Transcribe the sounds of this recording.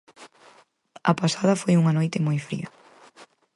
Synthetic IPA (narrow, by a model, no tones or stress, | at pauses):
ɐpasað̞ɐfojuŋɐnojt̪ɪmojfɾḭɐ